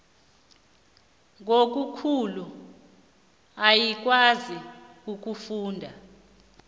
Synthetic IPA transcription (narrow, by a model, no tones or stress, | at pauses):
ŋok̬ʼukʰulu | ajik̬wazik̬ʼuk̬ʼufuːndʱa